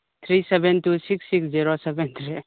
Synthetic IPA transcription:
t̪ʰɾiːsɛbɛ̃ntusiksːiksd͡ʒiɾosɛbɛ̃nt̪ʰɾi

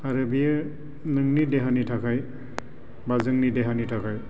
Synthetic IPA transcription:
aɾɯbija | nɯŋnideɦanitʰakʰaj | bazɯŋnidɛɦanitʰakaj

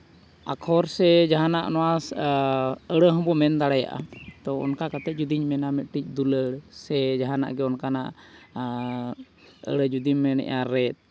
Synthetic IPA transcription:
a̰kʰɔɾsɛd͡ʒaɦanaʔnɔwas | əɽəɦɔ̃bɔmɛnd̪aɽaja̰ʔa̰t̪ɔɔ̰nkakat̪ɛt̪̚d͡ʒud̪iɲmɛnamɛt̪̚ˀʈic̚ˀd̪uləɽsɛd͡ʒaɦana̰ʔɡɛɔnkanaʔ | ə̰ɽəd͡ʒud̪iɲːɛnɛ̰ʔaɾɛt̪̚

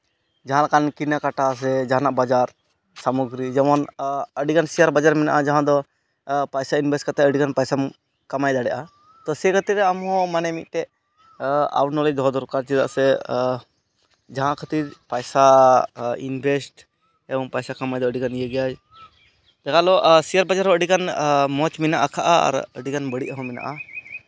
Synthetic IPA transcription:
d͡ʒaɦãlakankinakaʈas̬ɛd͡ʒaɦanaʔbad͡ʒaɾ | samuɡɾid͡ʒɛmɔnəɖikansijaɾbad͡ʒaɾmɛna̰ʔad͡ʒaɦãd̪ɔ | pajsainbʱɛsʈkat̪ɛəɖikanpajsam | kamajd̪aɽɛʔa | t̪ɔsɛkʰət̪iɾɛamɦɔ̃manɛmit̪̚ˀt̪ɛ | a̰wʈnɔlɛd̪ɔɔd̪ɔɾkaɾt͡ʃid̪a̰ʔsɛ | d͡ʒaɦãkʰət̪iɾpajsa | inbʱɛsʈ | ɛbɔŋpajsakamajd̪ɔəɖikanijeɡɛjad͡ʒ | d͡ʒ̪akalɔsijaɾbad͡ʒaɾɦɔ̃əɖikanmɔt͡ʃmɛnaʔakʰaʔaa̰ɾə̰ɖikanbəɽiʔaɦɔ̃mɛna̰ʔa

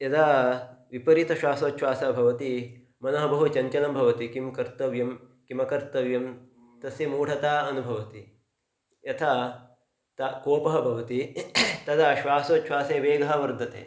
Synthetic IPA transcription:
jɐd̪aːʋipɐɾit̪ɐʃʋaːsoːt̪ːʃʋaːsɐbʱɐʋɐt̪i | mɐnɐɦɐ̆bɐɦut͡ʃɐɲt͡ʃɐnɐmbʱɐʋɐt̪ikimkɐɾt̪ɐʋjɐmkimɐkɐɾt̪ɐʋjɐm | t̪ɐsjɐmuːɽ̤ʰʱɐt̪aːɐnubʱɐʋɐt̪i | jɐt̪ʰa | t̪ɐkoːpɐɦɐ̆bʱɐʋɐt̪it̪ɐd̪aʃʋaːsoːt̪ʃʰwaːseːʋeːɡɐɦɐʋɐɾd̪ʱɐt̪ḛː

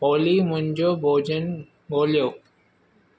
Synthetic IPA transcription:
poːlimʊ̃ɲd͡ʑoːbʱoːd͡ʑən | ɡoːljoː

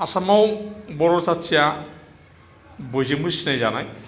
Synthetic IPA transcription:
asamawbɔɹɔsatsija | bojzimusnajzanaj

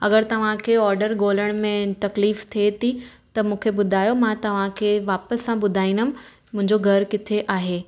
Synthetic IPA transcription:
ɐɡəɾt̪ɐʋ̤ãkʰeɔːɾɖəɾɡoːləɽ̃mẽt̪ɐkliːft̪ʰiet̪ʰit̪ɐmũːkʰebʊd̪ʱaːjomãt̪ɐʋ̤ãkʰeʋaːpəsːãɓʊd̪ʱaːĩnd̪əm̆ | mʊ̃ɦɪ̃ɲd͡ʑoɡʱɐɾkɪt̪ʰeʔaːɦeː

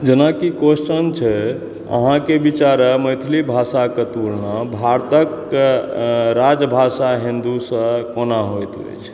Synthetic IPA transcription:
d͡ʒənakikosʈənt͡ʃʰɛ | ə̰ɦãkebit͡ʃaɾəməjt̪ʰlibʱasakət̪uɾnabʱaɾt̪ək | ɾad͡ʒbʱasaɦind̪usə̃konaɦojt̪ḛt͡ʃʰ

